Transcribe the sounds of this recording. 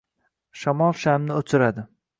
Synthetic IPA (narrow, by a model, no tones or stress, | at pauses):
ʃamɒlˠʃamnɪot͡ʃʰɪɾad̪ɪ